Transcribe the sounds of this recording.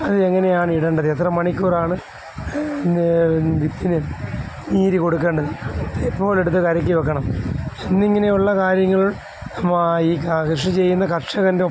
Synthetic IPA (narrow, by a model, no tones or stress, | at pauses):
ɐðɨeŋːɐne̞jaːɳɨiɽɐɳɖɐðɨet̪rɐmːɐɳikʲːuːraːɳɨ | ʋit̪ːinɨniːɾiko̞ɽuk̬ːɐɳɖɐðɨepːo̞ːleɽut̪̬ːɨkɐɾɐk̬ʲːiʋɐk̬ːɐɳɐmenːiŋːɐne̞juɭːɐkaːɾjɐŋːɐɭu | mːiːkakʂɐt͡ɕe̞jːunːɐkɐʈʂɐɣɐnde